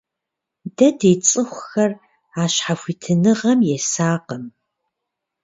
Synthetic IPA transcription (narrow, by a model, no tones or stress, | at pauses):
dɐdeːt͡sʼɨxʷxɐr | aːɕħafʷitʰɨnɨʁɐmjɛsaːqəm